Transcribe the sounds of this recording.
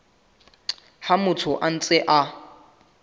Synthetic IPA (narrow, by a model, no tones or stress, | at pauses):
hamʊtʰʊʔan̩t͡sʼɪʔa